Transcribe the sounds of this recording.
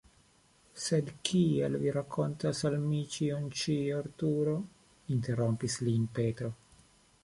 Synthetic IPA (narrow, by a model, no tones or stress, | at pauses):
sed̪kʰiḛlviɾakʰːont̪asalmit͡ʃiont͡ʃioɾt̪uɾo | int̪eɾompisliːmpet̪ɾo